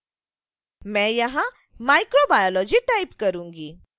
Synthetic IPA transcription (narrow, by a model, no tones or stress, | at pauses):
mɛ̃jəɦã | majkɾobajɔlɔd͡ʑiːʈaipkəɾuŋɡi